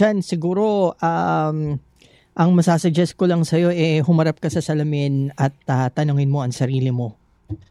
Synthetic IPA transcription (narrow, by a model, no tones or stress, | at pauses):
ansɪɡuːɾo̞ʔam | ʔɐŋmɐsaːsɐd͡ʒɛsko̞lɐŋsɐjo̞ʔɛɦʊmɐɾap̚kɐsɐsɐlɐmɪnɐt̪ɐt̪ːɐnoŋɪnmo̞ʔɐŋsɐɾiːlɪmo̞